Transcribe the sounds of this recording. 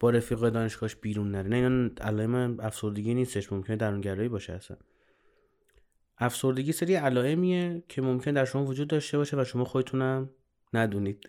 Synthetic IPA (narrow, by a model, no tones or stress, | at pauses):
b̥ɒːɾe̞fiːɣɒːjed̪ɒːne̞ʃɡ̥ɒːʃb̥iːɾunːæɾenæinɒnæ̰lɒːe̞mææfso̞ɾd̪e̞ɟiniːst̪e̞ʃmo̞mcʰened̪æɾuŋɟæɾɒːibɒːʃeæsæ̰n | ʔæfso̞ɾd̪e̞ɡʲiːseɾiælɒːe̞miecʰe̞momcʰe̞ned̪æɾʃo̞mɒːvod͡ʒuːd̪ːɒʃt̪e̞bɒːʃe̞væʃo̞mɒːxod̪et̪ʰuːnæm | næd̪uːniːd̪̥